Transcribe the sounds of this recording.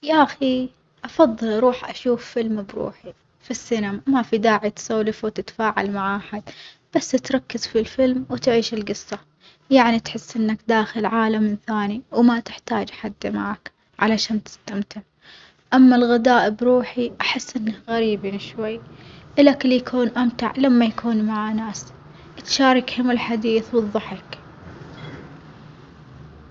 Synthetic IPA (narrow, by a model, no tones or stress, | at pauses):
jaʔaxi | ʔɑfɑðˤːɨlʔɾˤuːħʔaʃuːfːɪlmbɾṵːħi | fisːɪnamamafid̪aːʕit̪sawlɪfwt̪ɪt̪ḁfaːʕa̰lmaʕʔaħad̪ | b̥asːt̪ɾˤɑkːɪz̥filfɪlmwt̪ʕiːʃɪlɡɨsːa | jaʕnit̪ħɪsːʔɪnːakd̪aːxɪlʕaːlamɪnθaːniwmat̪ɪħt̪aːd͡ʒʔaħad̪ːmaʕak | ʕalaʃaːnt̪ɪ̥st̪amt̪ɪʕ | ʔamːalɣɪd̪aːʔɪbɾuːħiʔaħɪsːʔɪnːaɣaɾiːbiːnʃwajːʔɪlaklijakʰuːnʔamt̪a̰ʕlamːajakuːnmaʕanaːs | t̪ʃaːɾˤɪkhʊmɪlħad̪iːθwɨðˤːɑħɪk